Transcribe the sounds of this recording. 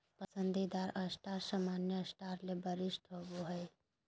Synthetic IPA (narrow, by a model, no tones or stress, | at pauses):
pɐsə̃nd̪id̪aːɾɐsʈaːɾsaːmaːnjəɐsʈaːɾlebɐɾɪʃʈʰoboɦɛj